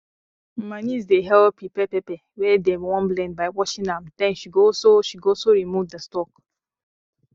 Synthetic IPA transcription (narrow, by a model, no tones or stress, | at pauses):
m̩manizdeɦɛlpipɛpɛpɛ | wɛdemwɔ̃nblɛ̃nbaɪwɔʃĩndamd̥ɛ̃nʃiɡosoʃiɡosoɾimuvdəstɔk